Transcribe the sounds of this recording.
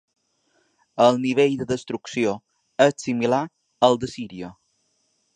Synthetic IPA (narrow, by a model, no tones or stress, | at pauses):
əlˠniβ̞eʎd̪əðəst̪ɾuksio | ətsimila | əlˠd̪əsiɾiə